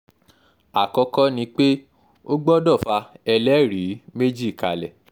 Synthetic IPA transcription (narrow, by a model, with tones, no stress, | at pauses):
a˨kɔ˧kɔ˦nĩ˧k͡pe˦ | o˦ɡ͡bɔ˦dɔ˦˨fa˧ɛ˧lɛ˦˨ɾi˨˦me˦d͡ʒi˦˨ka̰˨lɛ̰˨